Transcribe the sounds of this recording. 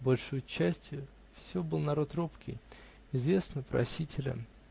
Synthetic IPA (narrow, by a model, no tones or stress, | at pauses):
bolʲʂojʊt͡ɕːæsʲtʲjʊ | fsʲobɨlˠnɐɾo̞t̪ropkʲɪ̰j | ɪzvʲe̞snəpɾɐ̰sʲitʲɪlʲə̰